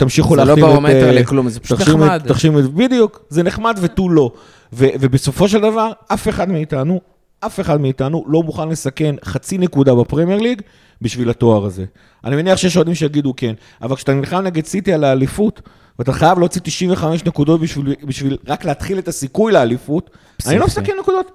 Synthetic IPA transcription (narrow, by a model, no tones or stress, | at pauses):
t̪amʃiχulealiaemeklumzeʃaimdt̪aχʃimebid̪ijuk | zeneχmad̪vetulo̞ | vevebeso̞fo̞ʃ̬e̞ldavaʁafe̞χad̪miːt̪anu | ʔafe̞χad̪miːt̪anulo̞muχanle̞sake̞nχat͡sine̞kud̪abapʁemjeʁliɡ | biʃvilato̞aʁaze̞̰ | ʔanimeniaχʃejeʃ̬d̪imʃejaɡid̪uke̞n | a̰valkʃat̪annχamneɡet͡sit̪ialaːlifut | veat̪aχajavleot͡sit̪iʃiɱveχame̞ʃne̞kud̪o̞t̪biʃvibiʃvilʁakleat̪χilet̪asikujlealifut | annilo̞mesakenːekud̪o̞t̪